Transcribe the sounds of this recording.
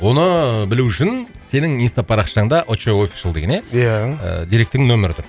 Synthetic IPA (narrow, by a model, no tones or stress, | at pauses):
wo̞nəbɪluʏʃɪn | se̞nɪŋint̪apʰɑɾɑqʃɑəɴd̪ɑʔot͡ʃeo̞fʲi̥ʃəlˠd̪eɡʲene̞ja̰d̪ijɾe̞k̚t̪ːɪŋnɵmɪɾɪt̪ʰʊɾ